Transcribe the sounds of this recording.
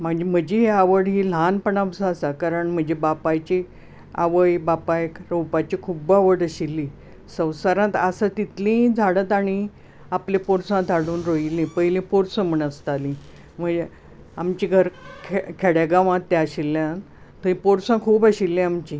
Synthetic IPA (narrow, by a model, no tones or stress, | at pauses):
m̤əɳd͡ʑem̤əd͡ʑiɦeaʋəɽɦiːlanpəɳaʋsəəsakaɾəɳm̤əd͡ʑebapat͡ɕi | a̰ʋəjbapakɾəwpat͡ɕikʰuːbaʋəɽəɕilːi | sə̃w̃saɾãt̪əsət̪it̪lĩd͡zʱaɽət̪aɽ̃i | aplẽpoɾsãd͡zʱaɽuːnɾoilːẽpəɦilẽpoɾsə̃m̤əɳəst̪alĩ | m̤əd͡ʑe | amt͡ɕiɡʱəɾkʰkʰeɽaɡaʋãt̪ːjaaɕilːjã | t̪əĩpoɾsãkʰuːbəɕilːĩamt͡ɕi